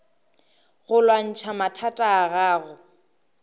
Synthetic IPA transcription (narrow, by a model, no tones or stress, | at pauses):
ɣʊlwan̩t͡ʃʰamatʰatʼaːɣaːɣʊ